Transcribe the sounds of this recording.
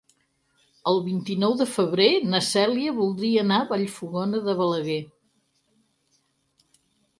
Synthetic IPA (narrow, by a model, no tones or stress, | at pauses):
əlˠβint̪inɔwðəfəβ̞ɾenəsɛliəβulˠd̪ɾiənaβaʎfuɣɔnəðəβələɣe